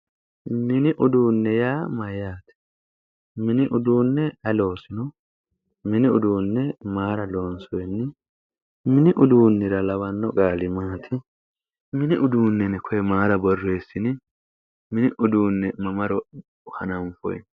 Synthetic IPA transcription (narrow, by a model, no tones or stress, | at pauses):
mɪnɪʔʊd̪uːnːɛjaːmɐjaːt̪ɛ̥ | mɪnɪʔʊd̪uːnːɛɐlo̞ːsɪnɔ | mɪnɪʊd̪uːnːɛmaːɾɐloːnsɔjɛnːɪ | mɪnɪʔʊd̪uːnːɪɾɐlɐwɐnːɔɡʼaːlɪmaːt̪ʰɪ | mɪnɪʔʊd̪uːnːɛnɛkʰɔjɛmaːɾɐbɔrːeːsːɪnɪ | mɪnɪʔʊd̪uːnːɛmɐmɐɾɔ | hɐ̰nɐmfɔ̰j̰n